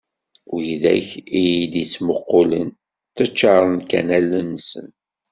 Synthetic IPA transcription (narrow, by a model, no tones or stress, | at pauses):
ʊjðæ̰çijid̪jit͡sːməqːʊlən | t̪ːət͡ʃːɑɾˤənkæ̰nælːənːsə̰n